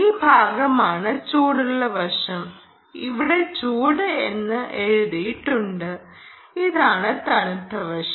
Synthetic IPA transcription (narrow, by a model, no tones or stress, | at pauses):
iːbʱaːɡɐmaːɳɨt͡ɕuːɽuɭːɐʋɐʂɐm | ḭʋiɽe̞t͡ɕuːɽɨenːɨʔe̞ɻuðijiʈːuɳɖɨ | iðaːɳɨt̪ɐɳɐt̪ːɐʋɐʂɐ